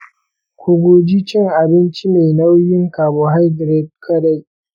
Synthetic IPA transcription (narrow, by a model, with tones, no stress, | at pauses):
kʷʊ˨ɡʷoː˨d͡ʒiː˦t͡ʃɪ˦ŋʔa˨bɪ˦nt͡ʃi˦meː˨na˦wjɪ˦ŋkaː˨boː˦ɦa˦jdɾɛ˦t̚kʰɐ˦ɾa˦˨